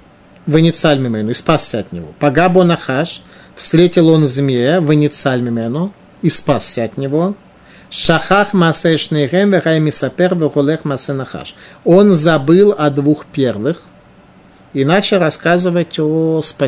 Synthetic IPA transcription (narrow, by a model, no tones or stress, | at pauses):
vɨnʲɪt̪salʲmʲɪmɛnʊispasʲsʲəɐt̪nʲɪvo̞̰pɐɡabonɐxaʂ | fst̪ɾʲetʲɪlˠo̞nzʲmʲevɨnʲɪt̪salʲmʲɪmɛnʊ | ispasʲsʲəɐt̪nʲɪvo̞ | ʂɐxaxmaːsɛʂnɛjɣɛmvɨɣajmʲɪsɐpɛrvɨɣolˠɛxmɐːsɛnɐxa̰ʂonzɐbɨlˠɐd̪vuxpʲervɨx | inat͡ɕɪlˠrɐskazɨvətʲospɐ